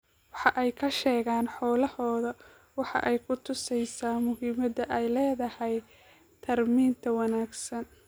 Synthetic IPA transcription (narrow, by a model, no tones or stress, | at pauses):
wɑħɑʔɛjkʰɐʃɛːɣaːnħɔːlɐhɔːðɐ | wɑħɑ̰ʔɛjkʰʊt̪ʰʊsɛjsaːmʊɦiːmɐd̪ɐʔɛjlɛːðɐhɛj | t̪ʰɐrmiːnt̪ʰɐwɑnaːɡsɐn